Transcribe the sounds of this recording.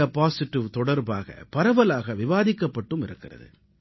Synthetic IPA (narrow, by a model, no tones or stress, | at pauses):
ɐpaːsɪʈːɪʋt̪ɔɽɐɾba̰ːɣɐ̰pɐɾɐʋɐlaːɣɐʋɪʋaːðɪkːɐpːɐʈːɯmɪɾɯkːɪrɐ̰ðɯ̰